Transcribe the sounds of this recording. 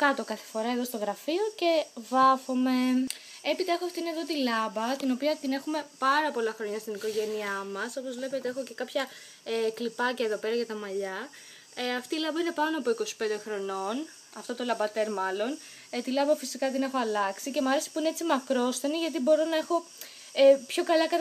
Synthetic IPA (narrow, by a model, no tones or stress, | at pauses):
kɐt̪o̞kɐθe̥fo̞ɾɐeðo̞st̪o̞ɣɾɐfio̞ce̞vɐvo̞me̞ | e̞pit̪ɐexoɐft̪ineðo̞t̪ilɐbɐt̪ino̞piɐt̪ine̞xume̞pɐɾɐpo̞lɐxɾo̞ɲɐst̪iniko̞ʝe̞niɐmɐso̞po̞zvle̞pe̞t̪eexo̞ce̞kɐpçɐ | eklipɐcɐeðo̞pe̞ɾɐʝɐt̪ɐmɐʎɐ | ɐft̪iːlɐbɐine̞pɐnoɐpo̞iko̞si̥pe̞nd̪e̞xɾo̞no̞n | ɐft̪o̞t̪o̞lɐbɐt̪e̞ɾmɐlo̞n | t̪ilɐbɐfisikɐt̪ine̞xoɐlɐksice̞mɐɾese̥puine̞et͡simɐkɾo̞sθeniʝɐt̪̬ibo̞ɾo̞nɐexo̞ | epço̞kɐlɐkɐt̪